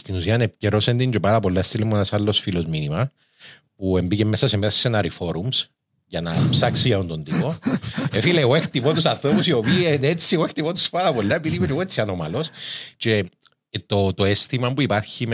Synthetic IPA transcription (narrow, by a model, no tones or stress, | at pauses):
st̪inusiɐnepceɾosend̪iɲɟepat̪ɐpo̞lːɐest̪ilemuenasalːo̞sfilo̞zminimɐ | pue̞mbicemːesɐsemessenɐɾifo̞ɾums | ʝɐnɐ̰psaksiɐont̪o̞nd̪ipo̞efileoext̪ipot̪usɐnθɾo̞pusio̞piːenet͡sːioext̪ipot̪u̥spaðɐpo̞lːɐepːiðimet͡ʃeɣoet͡sːiɐnomɐlo̞st͡ʃe̞ | t̪ot̪oest̪imɐmpuipɐɾçim